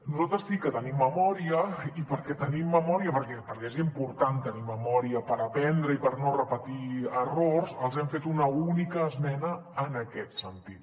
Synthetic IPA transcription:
nuzalˠt̪ɾəsikət̪ənimːəmɔɾiəipəɾkɛt̪ənimːəmɔɾiəpəɾkɛpəɾkɛezimpuɾt̪ant̪əniməmɔɾiəpəɾəpɛnd̪ɾəipəɾnorəpət̪iərorzəlˠzɛmfet̪unəunikəːzmɛnəːnəkɛt̪sənt̪it̪̚

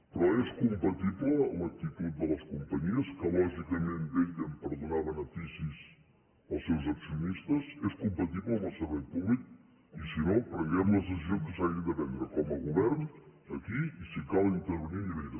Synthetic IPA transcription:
pɾɔeskumpət̪iβləːlək̚t̪it̪ut̪̚d̪ələskumpəɲiəskəlɔʒikəmẽnt̪eʎəmpəɾðunaβənət̪isiz | əlˠsewzəksiunist̪əzeskumpət̪iβləːməlˠsəɾβɛjpuβlik̚ | isinopɾəŋɡɛmləzəs̬izioŋskəsaɣind̪əβɛnd̪ɾəkɔməlˠɣuβɛɾnəkiisikalˠint̪əɾβəniiðiɾə

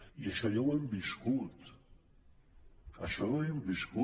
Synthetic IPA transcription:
jaʃaʎawambɪʃkʊt̪ | a̰ʃawajambɪʃkʊ

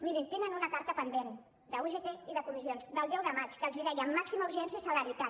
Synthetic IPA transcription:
miɾint̪enənunəkaɾt̪əpənd̪en | d̪əuʒet̪eiðəkumizionzd̪əlˠd̪ɛwðəmat͡ʃkəlˠziðɛjəːmːaksimauɾʒɛnsiəisələɾit̪at̪̚

